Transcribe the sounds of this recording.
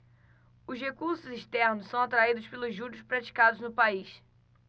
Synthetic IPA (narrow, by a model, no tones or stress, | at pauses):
ʊʃhekuɾsʊziʃt̪ɛɾnʊssɐ̃w̃at̪ɾaid̪ʊʃpelʊzːuɾiʊʃpɾat͡ʃi̥kad̪ʊznʊpaiʃ